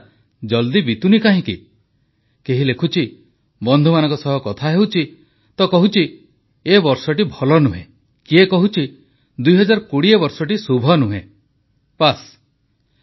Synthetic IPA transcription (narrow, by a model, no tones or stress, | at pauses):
d͡ʒɔld̪ibit̪unikaɦĩkḭ | keɦilekʰut͡ʃʰi | bɔnd̪ʱumanɔ̃ŋkɔsɔɦɔkɔt̪ʰaɦewt͡ʃʰi | t̪ɔkɔɦut͡ʃʰi | ebɔɾsɔʈibʱɔlɔnuɦḛ̃ | kiekɔɦut͡ʃʰi | d̪ujɦɔd͡ʒaɾɔkuɽiebɔɾsɔʈisubʱɔnuɦẽ | pas